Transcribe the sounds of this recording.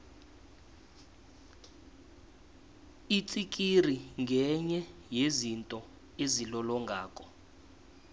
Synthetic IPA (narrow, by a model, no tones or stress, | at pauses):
it͡sʼik̬ʼir̤iŋʱɛɲɛjezintʼɔ | ezilɔlɔŋɡʱaːkʼɔ